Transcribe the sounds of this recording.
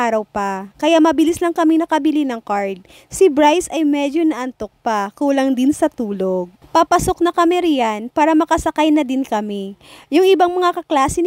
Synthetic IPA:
aːɾɐwpɐkɐjaʔmɐbɪlislɐŋkɐminɐkɐbɪlinɐŋkaɹd̪̚ | sɪbɹajsɐjmɛːd͡ʒonɐʔɐnt̪ok̚pɐkuːlɐŋd̪ɪnsɐt̪uːloɡ̚papɐso̞k̚nɐkɐmɛɾɪjanpaːɾɐmɐkɐsɐkajnɐd̪ɪnkɐmijʊŋʔɪbaŋmɐŋakɐklaːsɪ

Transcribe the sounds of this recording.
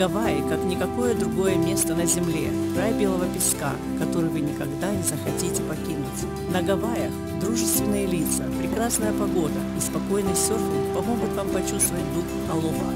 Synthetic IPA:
ɡ̥ɐvajkaknʲɪkɐko̞jəd̪ɾʊɡo̞jəmʲe̞st̪ənəzʲɪmlʲe̞̰kɾajbʲe̞lˠəvəpʲɪska̰ | kɐt̪o̞ɾɨvɨnʲɪkɐɡd̪anʲɪzəxɐtʲitʲɪpɐkʲinʊtʲ | nɐɡɐvajəx | d̪ɾuʐɨst̪vʲɪnːɨjəlʲit̪səpɾʲɪkɾasnəjəpɐɡo̞d̪əɪspɐko̞jnɨsʲort̪pɐmo̞ɡʊt̪vampɐt͡ɕust̪vəvət̚ʲd̪ux | ɐlˠoba̰

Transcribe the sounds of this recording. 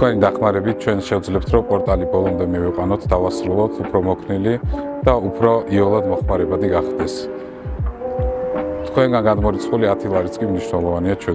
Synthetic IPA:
t̪kʰwɛnid̪aχmaɾɛbit̪̚t͡ʃʰwɛnʃɛud̪zlɛp̚t̪ʰɾɔpʼɔɾt̪ʼalibɔlˠɔmd̪ɛmiviqʼwanɔt̪ʰd̪avasɾulˠɔt̪ʰupʰɾɔmɔkʰnilid̪̥aupʰɾɔʔiɔlˠad̪mɔχmaɾɛbad̪iɡaχd̪ɛs | t̪ʰkʰwɛnɡanɡad̪mɔɾit̪sʰχuliat̪ʰilˠaɾit̪sʰʼkʼimniʃnɛlˠɔvaniat͡ʃʰwɛ

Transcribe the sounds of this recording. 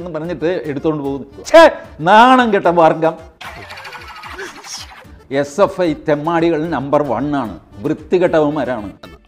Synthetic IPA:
nːɨpɐrɐɲːiʈːɨeɽut̪ːoːɳɖɨpoːɣunːɨt͡ɕʰenaːɳɐŋɡeʈːɐʋarŋɡɐm | esefɐjt̪e̞mːaːɽiɣɐɭilnɐmbɐrʋɐ̰ɳaːɳɨ̰ʋrɨt̪ːiɣɐʈːɐʋɐmɐɾaːɳɨ̰ɐ

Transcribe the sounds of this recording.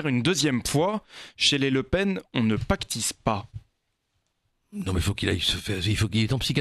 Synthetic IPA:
ɛʁynd̪øzjɛmfwaʃeleləpɛnɔ̃nəpakt̪ispa | nɔ̃meifokilajsəfɛʁifokilɛɛt̪ɔ̃psika

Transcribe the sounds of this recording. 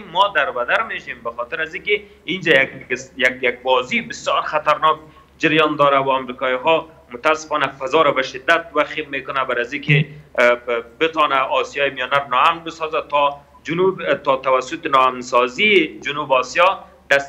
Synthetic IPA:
mːɔd̪aɾbad̪aɾmeʃembaxɔt̪ɪɾazikɪ | ind͡ʒajakjakjaɡ̚bɔzibɪsjɔɾxat̪aɾnɔk̚ | d͡ʒaɾjɔnd̪ɔɾawaamɾikɔjiɦɔ | mʊt̪asɪ̥fɔnafazɔɾabaʃɪd̪ːat̪̚waximekʊnabaɾazikɪ | bɪt̪ɔnaɔsjɑjɪmijɔnaɾnɔamnbɪsɔzat̪ɔ | d͡ʒʊnubt̪ɔt̪awasʊt̪ɪnɔamnsɔzid͡ʒʊnubɔsjɔ | d̪̥as

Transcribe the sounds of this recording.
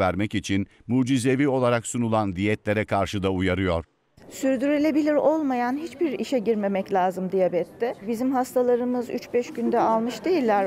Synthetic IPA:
væɾmɛcit͡ʃʰin | muːd͡ʒizevio̞lˠaɾaksunulˠand̪ijɛt̪lʲe̞ɾɛkʰaɾʃɯd̪aujaɾɯjo̞ɾ̥ | syɾd̪yɾelʲe̞bilʲiɾo̞lˠmajanɦit͡ʃbiɾiʃɛɟiɾme̞mɛclʲaːzɯmd̪ijabɛt̪ʰːɪbizimɦast̪ʰalˠaɾɯmɯzy̰t͡ʃbɛʃɟynd̪ɛalˠmɯʃd̪ejilʲːæɾ

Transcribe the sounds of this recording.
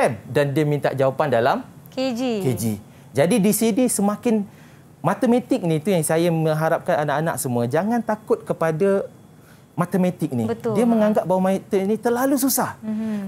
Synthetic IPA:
ɛm̚dandiəmĩnt̪a̰ʔd͡ʒawapandalamked͡ʒiked͡ʒḭ | d͡ʒadidisinisəmãkɪn | mat̪əmẽt̪ɪk̚nĩt̪ujaŋsajamə̃ŋɦaɾap̚kananaʔana̰ʔsəmuad͡ʒaŋãnt̪akʊt̪̚kəpada | mat̪əmat̪ɪk̚nibət̪diəməŋaŋɡap̚bawamãit̪ənit̪ərlalus̬usah

